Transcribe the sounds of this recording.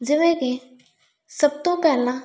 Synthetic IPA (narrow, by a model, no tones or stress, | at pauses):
d͡ʒɪʋẽke | səb̚t̪õpɛːlã